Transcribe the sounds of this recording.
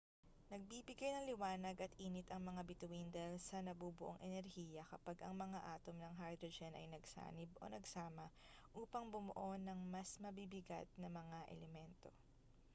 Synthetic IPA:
nɐɡ̚bibɪɡajnɐŋlɪwaːnɐɡɐt̪ʔiːnɪt̪ɐŋmɐŋabɪt̪ʊwind̪ɛlsɐnɐbubʊʔoŋʔɛnɛɾhiːjɐkɐpaɡʔɐŋmɐŋaʔaːt̪o̞mnɐŋɦajd̪ɾod͡ʒɛnʔɐ̰jnɐɡsa̰ːnɪbo̞̰nɐɡsaːmɐ | ʔuːpɐŋbʊmʊʔo̞nɐŋmɐsmɐbibɪɡa̰t̪̚nɐmɐŋaʔɛ̰lɛmɛnt̪o̞

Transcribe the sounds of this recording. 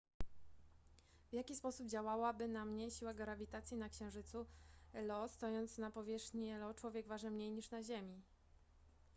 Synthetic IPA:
vjakʲispɔsub̚d͡ʑawawabɘnamɲɛɕiwaɡɾavʲit̪at̪sʲjinakɕɛ̃w̃ʐɘt̪suɛlɔst̪ɔjɔnt̪snapɔvʲjɛʂxɲiɛlɔt͡ʂwɔvʲjɛɡvaʐnɘmɲejɲiʂnaʑemʲi

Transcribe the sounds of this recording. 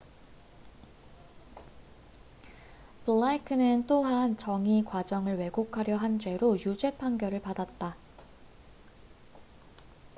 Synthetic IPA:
pɯɭːaikʰɯnɯnt͈oɦant͡ɕʌŋikwad͡ʑʌŋɯɭwe̞ɡokʰaɾjʌɦand͡ʑe̞ɾojud͡ʑe̞pʰaŋɡjʌɾɯɭpadat̚t͈a

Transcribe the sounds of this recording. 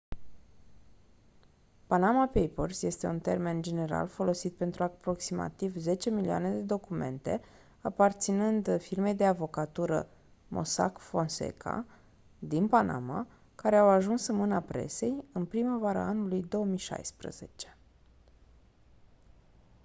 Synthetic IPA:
panamapejpolsje̞st̪e̞unt̪e̞rme̞nd͡ʒe̞ne̞ɾa̰lfo̞lo̞sit̪̚pe̞nt̪ɾuapɾo̞ksima̰t̪ivze̞t͡ʃe̞milia̰ned̪e̞d̪o̞kume̞̰nt̪e̞̰ | apart̪sinɨnd̪firme̞jd̪e̞avo̞kat̪uɾə̰ | mʔo̞̰sa̰kfo̞nsḛkʰa̰ | d̪inpanʔa̰ma̰ | kaɾe̞awaʒunsɨnmɨnapɾe̞̰se̞jɨnpɾiməvaɾə̰anulujd̪o̞womijʃa̰jspɾə̰ze̞t͡ʃe̞̥

